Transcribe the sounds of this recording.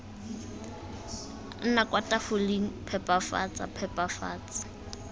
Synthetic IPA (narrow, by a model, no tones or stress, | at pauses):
n̩nakʼwatʼafʊliŋ̩pʰɛpʼafa̰t͡sʼa̰pʰɛpʼafa̰ːt͡sʼḁ